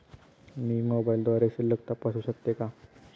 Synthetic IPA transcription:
nimobaild̪ʋaɾeseləkt̪apasuːɕək̚t̪eka

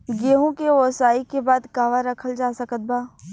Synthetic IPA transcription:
ɡeːɦõkeʋoːsaːikebaːd̪kaːʋaɾɐkʰəld͡ʒaːsəkət̪̚baː

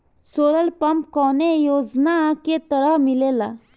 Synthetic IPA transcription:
soːɾəlpəmpkɔnejod͡znaket̪əɾəɦmilela̰

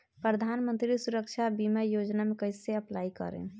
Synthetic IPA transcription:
pɾəd̪ʱanmənt̪ɾisuɾək̚t͡ʃʰabiməjod͡ʒnamekəjseəplaikə̰ɾḛ

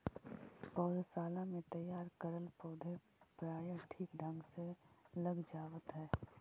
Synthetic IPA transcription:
pɔːd̪saːlãmẽt̪əjaːɾkəɾəlpɔːd̪ʱe | pɾaːjə̃ʈʰiːkɖʱə̃ŋɡseləɡd͡ʒaːwət̪ɦɛː

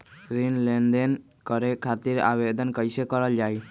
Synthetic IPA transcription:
ɡɾinlenɖ̪en | kɔɾekʰat̪iɾa̰bed̪ɔnkɔjsekɔɾɔld͡ʒaj

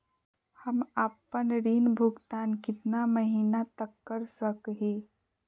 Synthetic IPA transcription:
həmapənɾiːnbʱuɡt̪aːnkɪt̪naməɦinat̪əkːəɾsəkɦe

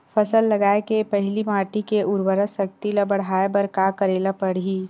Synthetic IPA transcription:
fʰɐsəlːɐɡaːekepɐɦɪlimaːʈikeʔʊɾwəɾəsɐk̚t̪ilabɐɽaːebɐɾkaːkəɾeːlapəɽ̤ɦiː

